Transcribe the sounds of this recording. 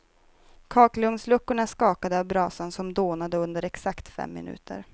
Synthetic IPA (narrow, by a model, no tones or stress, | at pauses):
kʰɑːklɵŋslɵkːʊɳaskɑːkad̪əavbɾɑːsənsɔmd̪oːnad̪əɵnd̪əɾɛksakt̪fɛ̰mːɪ̰nʉ̟̰ːt̪ʰə̰ɾ